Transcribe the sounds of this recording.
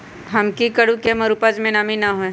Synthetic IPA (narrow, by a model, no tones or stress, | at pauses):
ɦɐmkikɐɽukemɐɾupad͡ʒmẽnaːminaɦoẽ